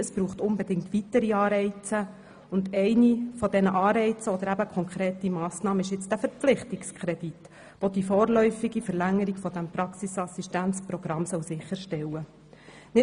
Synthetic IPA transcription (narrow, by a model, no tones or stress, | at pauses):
əsb̥ɾuːχtʊnbɛdɪŋktʋitəɾiɑːɾɛɪt͡sə | ʊndɛɪnifɔdɛnəʔɑːɾɛɪt͡səɔd̪əɾæbəkʰɔŋkʰɾeːtimɑːsnɑːməɪʃjɪt͡sd̥æfəɾpp͡flɪχtɪkskχɾɛd̥it | ʋod̥̪ifoːɾlœʏfiɡifəɾlæŋːəɾiɡfɔd̥̪æmpɾɑksisɑsiʃtænt͡spɾɔɡ̥ɾɑmsœlsɪχːəɾʃtɛwə | nɪ